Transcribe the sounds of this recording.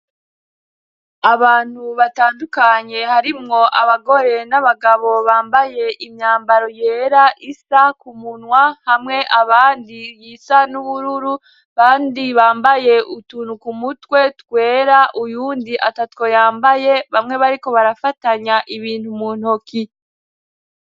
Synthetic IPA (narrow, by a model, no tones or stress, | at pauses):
aβaːn̥huβataːndukaɲe̞haɾimŋo̞ʔaβaɡo̞ɾe̞naβaɡaβo̞βaːmbaje̞ʔimɲaːmbaɾo̞je̞ːɾaʔisakumunwahamŋe̞ʔaβaːndijisanuβuɾuɾu | βaːndiβaːmbaje̞ʔutunukumutwe̞tkwe̞ːɾaʔujuːndiʔatatwo̞jaːmbaje̞βamŋe̞βaɾiko̞βaɾafataɲaʔiβiːn̥humuːn̥oki